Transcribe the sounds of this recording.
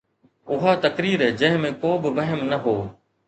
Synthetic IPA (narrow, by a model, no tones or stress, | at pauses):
ʊɦaːt̪əkɾiːɾɦɛːd͡ʑə̃ːɦɪ̃mẽːkoːbɪʋɐɦəmnəɦoː